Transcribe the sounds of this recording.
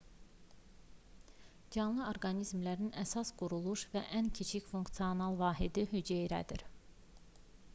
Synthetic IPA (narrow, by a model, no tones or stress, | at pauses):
d͡ʒɑnlˠɯoɾɡɑnizmlæɾinæsɑsɡ̥uɾulˠuʃvæ̰ʔæncʰit͡ʃʰicfuŋkt̪sijo̞nɑlˠvɑːɦid̪iɦyd͡ʒejɾæ̰d̪iɾ